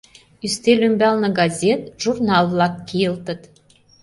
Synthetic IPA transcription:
yst̪elymbɑlnə̆ɡɑzʲet̪̚ʒ̥urnɑlˠvlɑkːijə̆lt̪ə̆t̪

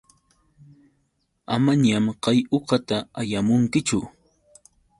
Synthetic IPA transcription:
a̰maɲamqɑjoqɑt̪aajamʊŋkɪt͡ʃʊ

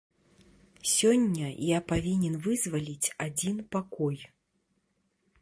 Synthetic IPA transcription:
sʲɔnʲːɐjapavʲinʲɛnvɨzvalʲit͡sʲad͡zʲinpakɔj

